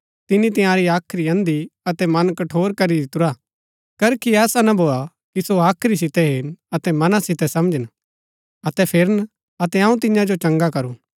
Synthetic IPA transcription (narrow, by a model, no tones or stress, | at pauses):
t̪ɪnit̪ɪ̃jãːɾiaːkʰɾiɐ̃nd̪iɐt̪ɛmɐnkɐʈʰoːɾkɐɾid̪ɪt̪ʊɾa | kɐɾkiɛːsanɐbʱoːa | kisoaːkʰɾis̬ɪt̪ɛɦɪnɐt̪ɛmɐnasɪt̪ɛsɐmd͡ʒən | ɐt̪ɛpʰɪɾən | ɐt̪ɛɐ̃ũt̪̬ɪɲãd͡ʒot͡ʃɐ̃ŋɡakɐɾũ